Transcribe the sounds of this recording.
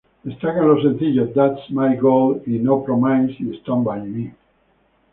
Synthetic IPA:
ɨst̪akə̃nlos̬ɛ̃nθid͡ʒəd̪ætsmajɡolinopɾɔmãjnsist̪ɔ̃mbajmi

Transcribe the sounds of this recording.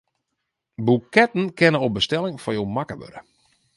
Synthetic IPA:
bukɛt̚n̩kʰɛnənobəstɛlɪŋfɔjowmakəʋø̰ɾə

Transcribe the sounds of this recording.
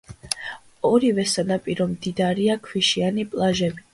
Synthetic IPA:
ɔɾivɛsanapʼiɾɔmd̪id̪aɾiakʰwiʃianipʼlˠaʒɛbi

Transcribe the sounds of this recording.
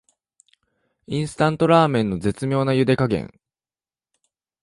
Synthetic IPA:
ĩɰ̃sɨ̥t̪ãnt̪o̞ɾaːmẽ̞nːo̞d͡ze̞t͡sɨmʲo̞ːnajɯ̟d̪e̞kaɡẽ̞̰ŋ

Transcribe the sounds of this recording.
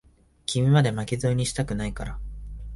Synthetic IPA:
kʲimʲimad̪e̞makʲizoːɲ̟iɕi̥t̪akɯ̟naikaɾa

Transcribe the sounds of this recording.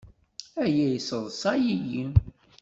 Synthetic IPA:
æjæjsəðˤsɑjijim

